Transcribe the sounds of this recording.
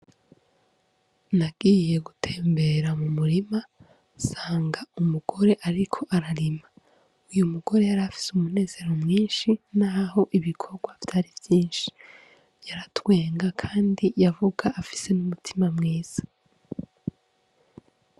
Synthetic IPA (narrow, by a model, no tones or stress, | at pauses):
naɡ̥iːje̞ɡutʰeːmbe̞ɾamumuɾima | saːŋɡaumuɡ̥o̞ɾe̞ʔaɾikʰo̞ʔaɾaɾima | ujumuɡ̥o̞ɾe̞jaɾafi̥sumune̞ːze̞ɾo̞mŋiːnʃinaːho̞ʔiβikʰo̞ɾɡwavtaɾivjiːnʃi̥ | jaɾatwe̞ːŋɡakʰaːndijavuɡaʔːfi̥se̞numutʰimamŋiːz̥ḁ